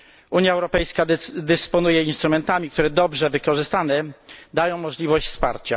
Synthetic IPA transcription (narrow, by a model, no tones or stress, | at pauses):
ʔuɲjaɛwɾɔpɛjskad̪ɛspɔnujɛinst̪ɾumɛnt̪amʲik̚t̪uɾɛd̪ɔbʐɛvɘkɔʐɘst̪anɛd̪ajɔ̃w̃mɔʐlʲivɔɕt͡ɕfspa̰ɾt͡ɕa